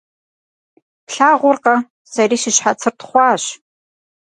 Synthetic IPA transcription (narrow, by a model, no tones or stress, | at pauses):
pɬaːʁʷʊrqɐ | sɐɾiːʃɪɕħat͡sʰɨrtχʷɑːɕ